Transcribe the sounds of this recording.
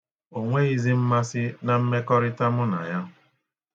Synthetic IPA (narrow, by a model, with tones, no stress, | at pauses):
o˨ŋʷe˦i˦zi˦m̩˦ma˦sɪ˦na˦˨m̩˦me˦kɔ˦ɾɪ˦ta˦mʊ˦na̰˨ja˦